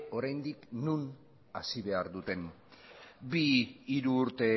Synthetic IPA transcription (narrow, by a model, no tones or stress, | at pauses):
o̞ɾajnd̪iknun | asiβ̞e̞aɾðut̪e̞n | biiɾuːɾt̪e̞